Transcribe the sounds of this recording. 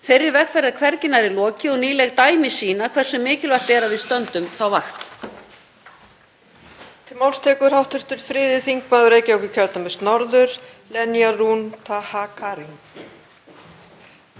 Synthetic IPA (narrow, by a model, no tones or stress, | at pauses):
fɪrːɪɾvɛxfɛɾðakʰvɛɾcɪnaɾɪlɔːcɪɔɣniːlɛɣt̪aːjmɪsiːnakʰvɛr̥sɛmːɪːcɪlvaht̪ɛːɾavɪðst̪œnt̪ʏmθawvaxt̪ | t̪ʰɪlmawlst̪ʰɛːkʏɾ̥hawht̪ʏɾ̥t̪ʏɾ̥fɾɪːðɪθiŋkmaːðʏɾeːjcɪɔwkʏcʰɛɾt̪amʏst̪nɔɾðʏɾ̥lɛnjarunt̪ʰahakʰaːɾiŋ